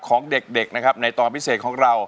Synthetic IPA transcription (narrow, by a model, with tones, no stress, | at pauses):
kʰɔː˩˦ŋde˨˩k̚de˨˩k̚na˦˥kʰa˦˥p̚na˧jt̪ɔː˧npʰi˦˥seː˨˩t̪̚kʰɔː˩˦ŋɾa˧w